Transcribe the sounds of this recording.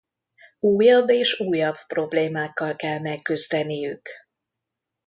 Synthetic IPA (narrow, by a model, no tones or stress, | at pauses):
uːjɒbːeːʃuːjɒbpro̞bleːmaːkːɒlkɛlmɛkːyzd̪ɛnijyk